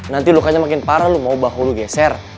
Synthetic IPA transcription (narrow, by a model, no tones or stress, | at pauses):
nant̪ilukaɲamakɪnpaɾalumaubaɦuluɡɛsɛr